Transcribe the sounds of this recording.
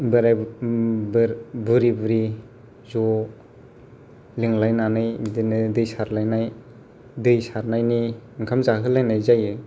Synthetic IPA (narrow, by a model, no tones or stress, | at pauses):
bɯɾa | ɾbɯɾibɯɾi | zɔ | liŋlajnanɯjbidinɯdɯjsaɾlajnaj | dɯjsaɾnajniŋkʰamzaɦɯlajnajzajɯ